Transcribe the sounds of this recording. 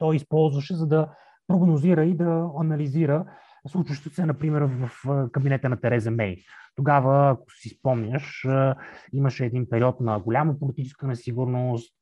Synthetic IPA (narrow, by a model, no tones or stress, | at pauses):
t̪ɔjispɔlˠzvəʃɛzɐd̪ɐ | pɾoɡnoziɾəid̪ɐɐnɐliziɾə | slˠut͡ʃəʃt̪vot̪sɛnɐpɾimɛɾvɐfkɐbinɛt̪ənɐt̪ɛɾɛzɐmɛjt̪oɡavəːko̥sispɔmnʲəʃ | iməʃɛːd̪inpɛɾiɔt̪nɐɡolʲaməpolit̪it͡ʃɛ̥skənɛsiɡuɾnost̪